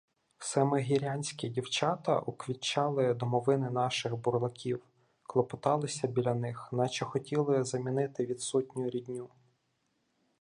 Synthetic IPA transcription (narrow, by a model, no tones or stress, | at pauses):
sɛmɪɦʲiɾʲanʲsʲkʲidʲiwt͡ʃɑt̪ɐ̰ʔukʋʲit͡ʃːɑlˠɪd̪ɔmɔʋɪnɪnɑʃɪxbʊrlˠɐkʲʰiw | klˠɔpɔt̪ɑlˠɪsʲɐbʲilʲɐnɪxnɑt͡ʃɛxɔtʲilˠɪzɐmʲinɪt̪ɪʋʲid̪sɔtʲnʲʊjʊɾʲidʲnʲu